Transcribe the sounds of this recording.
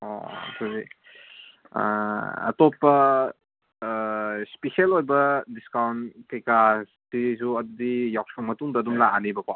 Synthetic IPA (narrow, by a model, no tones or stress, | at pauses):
o̰tʰuzi | ɐ̰topːɐ | speselojbɐdiskawnkekastisuɐdudijawsʰoŋmɐtuŋdɐːdumlaanibɐka